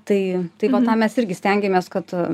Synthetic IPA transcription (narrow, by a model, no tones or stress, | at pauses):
t̪ɐɪt̪ɐɪʋɐt̪ɑːmʲɛsɪɾʲɡʲɪsʲt̪ʲɛŋʲɡʲɛmʲeːskɐt̪